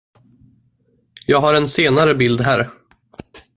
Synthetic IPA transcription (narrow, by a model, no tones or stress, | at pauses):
jɑːɡɦaɾɛnseːnaɾəbɪld̪ɦæːɾ